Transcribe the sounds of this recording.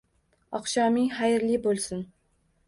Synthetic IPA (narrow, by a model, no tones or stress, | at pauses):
ɒqʃɑːmɪŋχajɾlɪbolˠsɪn